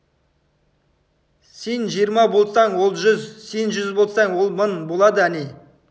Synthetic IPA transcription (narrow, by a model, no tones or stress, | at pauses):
se̞nʒijəɾmɑbo̞lˠsɑɴwo̞lˠʒʏzse̞nʒʏzbo̞lˠsɑɴwo̞lˠmənbo̞lˠɑd̪əæne